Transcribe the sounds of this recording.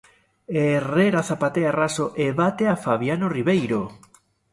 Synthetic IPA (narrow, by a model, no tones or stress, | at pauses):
ereɾaθapat̪earasoʔeβat̪eafaβjanoriβejɾo